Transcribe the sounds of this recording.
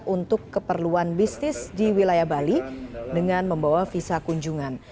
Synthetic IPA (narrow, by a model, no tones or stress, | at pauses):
unt̪ʊkːəpərluanbisnɪsdiwilajahbalidəŋanməmbawafisakuɲd͡ʒuŋan